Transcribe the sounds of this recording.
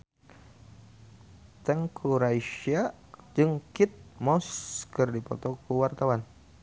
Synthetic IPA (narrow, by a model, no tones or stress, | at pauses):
t̪ɛŋkʰuɾaiʃia | d͡ʒɨŋkit̪̚mɔskərdipɔt̪ɔkuwart̪awan